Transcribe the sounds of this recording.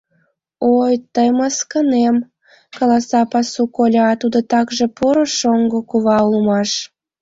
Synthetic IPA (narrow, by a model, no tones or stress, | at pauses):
ojt̪əjmɑskənem | kɑlɑsɑpɑsukolʲɑt̪ud̪ot̪ɑkʒepoɾoʃoŋɡokuβɑumɑʃ